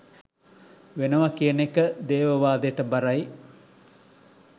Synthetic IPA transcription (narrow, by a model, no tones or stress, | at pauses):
ʋenəʋakijənekəd̪eːʋəʋaːd̪eʈəbaɾaj